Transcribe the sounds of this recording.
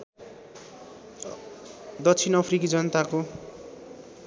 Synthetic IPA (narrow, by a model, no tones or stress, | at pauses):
d̪ʌkt͡sʰinʌpʰrikid͡zʌnʌt̪ako